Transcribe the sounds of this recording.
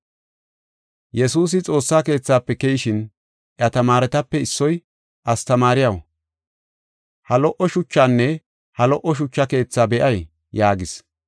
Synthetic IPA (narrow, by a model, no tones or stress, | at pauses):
jɛsuːs̬ɪt͡sʼo̞ːsːaːke̞ːt͡sːaːpːɛkɛjɪʃɪn | ʔɐt̪ɐmaːɾɛt̪ɐpːɛɪsːɔj | ʔɐst̪ɐmaːɾɪjɐw | hɐlɔʔɔʃʊt͡ʃːaːnːɛ | hɐlɔʔɔʃ̬ʊt͡ʃːɐke̞ːt͡sːaːbɛʔɐj | jaːɡɪs